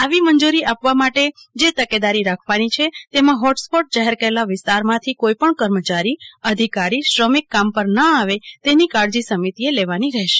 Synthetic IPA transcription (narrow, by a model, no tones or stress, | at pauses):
aʋimənd͡ʒuɾiʔapʋamaʈed͡ʒet̪əked̪aɾiɾakʰʋanit͡ʃʰet̪emãɦɔʈspɔʈ̚d͡ʒaɦɛɾkəɾelaʋɪst̪aɾmãt̪ʰikoipəɳkəɾmət͡ʃaɾiəd̪ʱikaɾiʃɾəmikːampəɾnəaʋet̪enikaɾd͡ʒisəmit̪ieleʋaniɾɛɦʃe̥